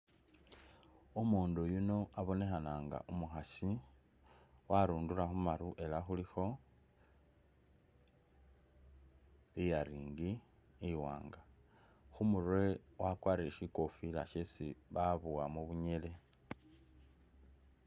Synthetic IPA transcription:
umuːndujuno̞aβo̞ne̞xanaːŋɡa̰ʔumuxasi | waɾuːndulaxumaɾuʔe̞laxulixo̞ | ijaɾiːŋɡi | iwa̰ːŋɡa | xumurwewakwaːɾieʃiko̞fila̰ʃesiβaβuwamuβuɲe̞le̞

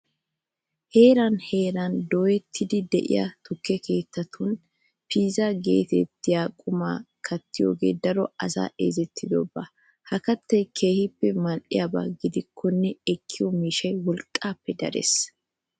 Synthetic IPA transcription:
he̞ːɾɐnhe̞ːɾɐnd̪oːjɛt̪ʰːɪd̪ɪd̪ɛʔɪ̰ja̰t̪ʊkːɛke̞ːt̪ːɐt̪ʰʊn | piːzaɡe̞̰ːt̪ɛt̪ːɪjaːkʼʊma̰ːkʰɐt̪ːɪjo̰ːɡḛːd̪ɐɾɔɐsa̰ːʔḛːzɛt̪ʰːɪd̪ɔ̰ba | hɐkɐt̪ːɐjkʰe̞ːhɪpːɛmɐlʔɪ̰jaba̰ːɡɪd̪ɪkʰːɔnːɛɛkʰːɪjɔmiːʃɐjwɔlkʼːaːpːɛd̪ɐ̰ɾḛs

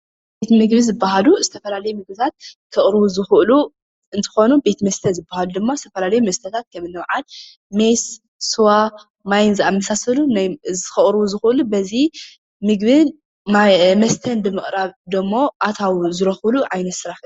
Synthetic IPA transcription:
bet̪mɨɡβizɨbːaɦaluzɨt̪ʰɐfɐlalɐjumɨɡ̚bɨt̪ʰat̪̚kʰɨχʼɾɨβuzɨxʔlu | ɨnt̪ʰɨ̥xo̞nube̞t̪mɐst̪ʰɐnzɨbːahalud̪ɨmːazɨt̪ʰɐfɐlalɐjumɐst̪ʰɐt̪ʰat̪̚kʰɐmɨnːɐwʕal | me̞s | suwa | majnzamːɐsasɐlunajzɨxɨχʼɾβuzɨxʔlubɐzi | mɨɡβɨn | mɐst̪ʰɐnbɨmɨχʼɾaβd̪ɐmːo̞ʔat̪ʰawzɨɾɐxluʕajnɐt̪sɨɾaħɨ

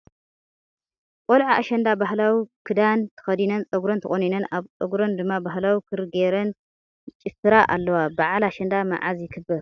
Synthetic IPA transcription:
kʼolʕaaʃɐnd̪abaɦlawikʰɨd̪ant̪ʰɨ̥xɐd̪inɐnt͡sʼɐɡuɾɐnt̪ɨχʼoninɐnaβt͡sʼɐɡɾond̪ɨmːabaɦlawikʰɨɾɨɡeɾɐn | t͡ʃʼɪfɨɾaʔa̰lːɐwabaʕalaʃɐnd̪ama̰ʕazjɪkʰɨbːɐɾ

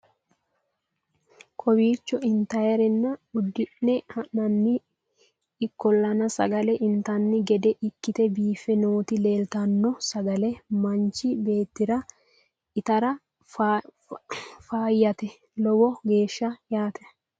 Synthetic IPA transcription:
kʼɔbiːt͡ʃːɔɪnt̪ɐjɐɾɛnːɐʊd̪ːɪnːɛhɐɐnːɪː | kːɔlːɐnɐsɐ̰ɡɐlɛʔɪnt̪ɐnːɪɡɛd̪ɛʔɪkːɪt̪ɛbiːfɛno̞ːt̪ɪle̞ːlt̪ɐnːɔsɐɡɐlɛmɐnt͡ʃːɪbe̞ːt̪ːɪɾɐ | ɪt̪ɐɾɐ | faːjːɐt̪ɛ | lɔwɔɡe̞ːʃːɐjaːt̪ɛ

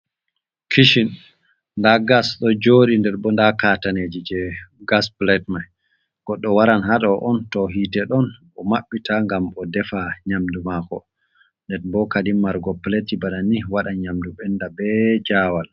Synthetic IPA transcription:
kʰiʃin | ndaɡasɗɔd͡ʒoːɗindɛɾbɔndakataned͡ʒid͡ʒɛɡasplɛtmaj | ɡ̥ɔɗːɔwaɾanɦaɗɔʔɔntɔɦidɛɗɔnʔɔmaɓːitaŋɡamɔdɛfaɲamdumakɔ̰ | ndɛɾbɔkadimːaɾɡɔplɛtibaɗaniwaɗaɲamduɓɛndabɛd͡ʒaːwal

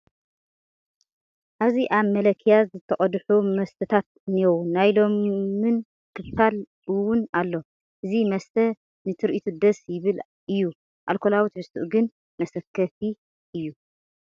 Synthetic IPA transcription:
ʔaβziʔaβmɐlɐkʰjazɨt̪ʰːɐχʼɐd̪ħumɐst̪ʰɐt̪ʰat̪̚niownːajlo̞mːɨn | kʰɨftal | ɨwʊnalːo̞ | ʔɨzimɐst̪ʰɐ | nɨt̪ʰɨɾʔit̪ʰud̪ɐsjɪβɨl | ʔɨjːu | ʔalkʰolawit̪mɨst̪ʰṵʔɡɨn | mɐsɐkʰːɐt̪i | ʔɨjːu

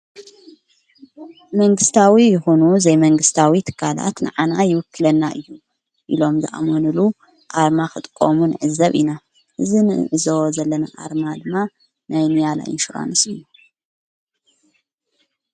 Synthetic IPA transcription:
mɐŋɡɨst̪ʰawijɨxunuzɐjmɐŋɡɨst̪ʰawit̪ʰɨ̥kʰːala̰t̪nɨ̰ʕanajɪwʊkːɨlɐnːaʔɨjːu | ʔilo̞mzɨʔa̰monɨlu | ʔaɾmakɨt̪ʼkʼːomunɨ̰ʕɨzɐβḭna | ʔɨzinɨ̰ʕɨzowzɐlːɐna̰ʔa̰ɾmad̪ɨmːa | najnɨjala̰jɨ̰nʃuɾa̰nɨsɨjːu

